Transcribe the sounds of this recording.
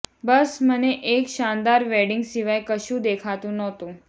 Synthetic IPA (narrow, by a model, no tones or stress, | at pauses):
bəsməneʔekʃand̪aɾʋɛɖɪŋɡsiʋajkəʃũd̪ekʰat̪ũnɔt̪ũ